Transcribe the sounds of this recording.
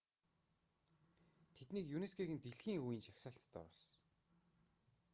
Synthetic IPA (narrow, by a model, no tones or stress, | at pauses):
t̪ʰet̪niːkjuneskʰeɣɘ̆nt̪eɮxiːŋuj̆nʃaxʲsăːɬt̪ːɔ̰ɾɔ̆s